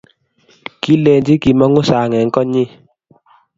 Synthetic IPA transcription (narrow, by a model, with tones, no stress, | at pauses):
ki˦lɛ˨nd͡ʒi˦ki˨mɔ˦ŋʊ˦sa˨ŋɛ˨ŋ̩˦kɔ˦ɲi˦